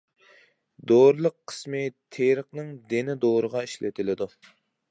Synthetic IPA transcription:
d̪oɾlˠəqʰːə̥smɨt̪ʰeɾəχnɨŋd̪enɪd̪oɾəʁɑiʃlɪ̰t̪ʰɪlɪd̪u

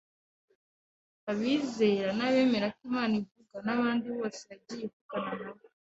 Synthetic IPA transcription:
aβiːze̞ɾanaβe̞ːme̞ɾakimaːnivuɡanaβaːndiβo̞ːseβaɟijekuɡananaβa

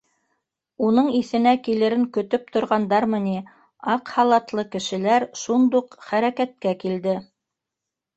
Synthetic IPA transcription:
unɤɴiθɘ̆nækilɘ̆ɾɘŋkɵ̆t̪ɵp̚t̪ŏɾʁɑnd̪ɑɾmɤ̆ni | ɑqhɑlˠɑt̪lˠɤkɘ̆ʃɘ̆læɾʃund̪uqχæɾækæt̪̚kækild̪ɘ

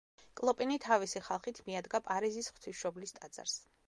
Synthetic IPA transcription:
kʼlˠɔpʼinit̪ʰavisiχalˠχit̪ʰmiad̪ɡapʼaɾizisχw̥t̪ʰiʃɔblist̪ʼad̪z̥a̰ɾs

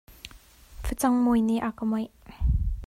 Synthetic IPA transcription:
fət͡sɐŋmojniʔakəmɔj

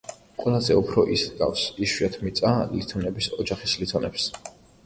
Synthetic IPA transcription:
qʼwɛlˠazɛupʰɾɔʔisɡa̰fsiʃwiat̪ʰmit̪sʼalit̪ʰɔnɛbisɔd͡ʒaχislit̪ʰɔnɛps

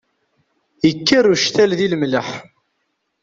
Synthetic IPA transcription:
jəkːəruʃt̪ælðilmləħ

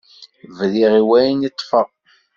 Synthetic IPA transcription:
vðiʁiwæjnit̪ˤːfəʁˤ

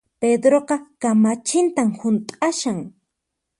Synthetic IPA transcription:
ped̪ɾoqɑkamat͡ʃɪnt̪amhʊnt̪ʼaʃaŋ

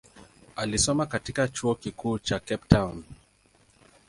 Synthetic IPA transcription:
alisɔmakatikat͡ʃuɔkikuːt͡ʃakɛp̚tʰawn

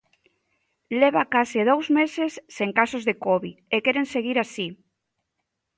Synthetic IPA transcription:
leβakaseð̞owzmesesːeŋkasozðekɔβiekeɾenseɣ̞iɾasi

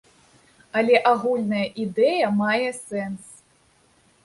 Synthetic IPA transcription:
ɐlʲɛʔaɣulʲnɐjɐʔid̪ɛjɐmajɛsɛns

